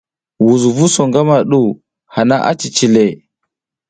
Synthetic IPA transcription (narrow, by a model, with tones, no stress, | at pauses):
wu˨zu˨vu˦so˨ŋɡa˦ma˨ɗu˦ | ha˨na˦ʔa̰˦t͡ʃi˨t͡ʃi˨le˨